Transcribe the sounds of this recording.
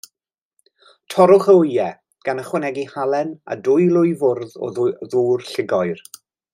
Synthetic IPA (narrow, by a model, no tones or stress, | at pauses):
tʰɔɾʊχəʊjɛ | ɡ̥anəχwɛnɛɡihalˠɛna̰dʊjlˠʊjvʊrðɔ̰ðuːrɬɪɡɔjr